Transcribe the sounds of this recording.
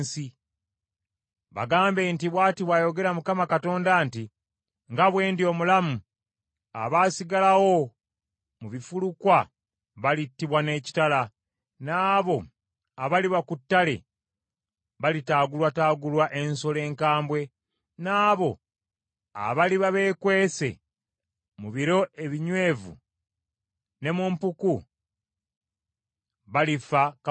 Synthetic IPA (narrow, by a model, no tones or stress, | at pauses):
si | βa̰ɡaːmbe̞ːntiβwaːtiβwajo̞ɡe̞ɾamukamakato̞ːndanti | ŋɡaβwe̞ːndio̞ːmulamu | a̰βaːsiɡalawo̞ | muβifulukwa | βalitːiβwane̞ːci̥tala | naːβo̞ | aβaliβakutːale̞̰ | βalitaːɡulwataːɡulwaʔe̞nso̞le̞ːŋkaːmbwe̞ | naːβo̞ | a̰βaliβaβe̞ːkwe̞ːse̞̰ | muβiɾo̞e̞βiɲwe̞ːvṵ | ne̞mumpuku | βalifak